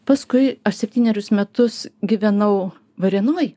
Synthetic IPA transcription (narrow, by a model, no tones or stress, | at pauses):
pɐskʊɪɐʃsʲɛpʲt̪ʲiːnʲɛɾʲʊsmʲɛt̪ʊsɡʲɪʋʲɛnɐʊ | ʋɐɾʲiɛnoːj